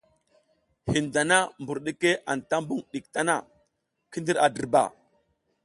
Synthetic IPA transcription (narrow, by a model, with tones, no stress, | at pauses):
hi˨nda˨na˦mbu˨ɾɗe˦ke˦ʔa˨nta˦mbu˦ŋɗi˨k̚ta˦na˦˨ | ki˦ndi˦ɾa˨də˨ɾba̰˨